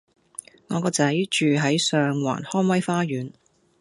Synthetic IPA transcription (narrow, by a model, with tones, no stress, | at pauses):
ŋɔː˨˧kɔː˧t͡sɐ˨˧˥jt͡ʃyː˨ɦɐ˨˥jsœː˨ŋwa̰ː˨˩nhɔː˥nwɐ˥jfaː˥ɥyː˨˥n